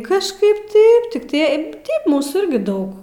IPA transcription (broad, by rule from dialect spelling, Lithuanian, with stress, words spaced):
kɐʃˈkɐɪp ˈtɐɪp tʲɪk tʲiɛ ˈtʲɛɪp ˈmuːsuː ˈɪrʲɡʲɪ ˈdɐʊk